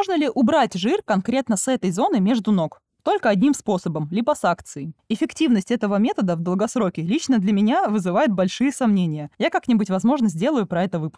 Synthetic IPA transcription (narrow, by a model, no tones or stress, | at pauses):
moʐnəlʲɪʔʊbɾatʲʐɨrkɐnkɾʲe̞t̪nəsɛt̪əjzo̞nɨmʲe̞ʐd̪ʊno̞k | t̪o̞lʲkəɐdʲnʲimspo̞səbəmlʲibəsakt̪sɨɪɪfʲɪktʲivnəsʲtʲɛt̪əvəmʲe̞t̪əd̪əvd̪əlˠɡɐsɾo̞kʲɪlʲit͡ɕnəd̪lʲɐmʲɪnʲavɨzɨvajʊt̪̚bɐlʲʂɨjəsɐmnʲenʲɪjəjakaknʲɪbʊtʲvɐzmo̞ʐnəzʲdʲe̞lˠəjʊpɾɐɛt̪əvɨpʊ̥sk